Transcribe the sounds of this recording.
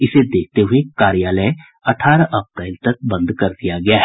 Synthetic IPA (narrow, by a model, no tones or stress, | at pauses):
ɪsed̪eːk̚ʰt̪eɦʊekaːɾijaːləẽ | ɐʈʰaːɾʔɐp̚ʈaɪlt̪ək̚bə̃nd̪kɐɾd̪ijaɡɐjaːɦɛ